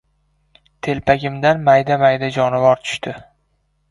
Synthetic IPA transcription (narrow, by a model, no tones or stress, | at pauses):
t̪ʰe̞lpʰaɡʲɪmd̪anmajd̪amajd̪ad͡ʒɒnɪvɒɾt̪ʰʊ̥ʃt̪ɪ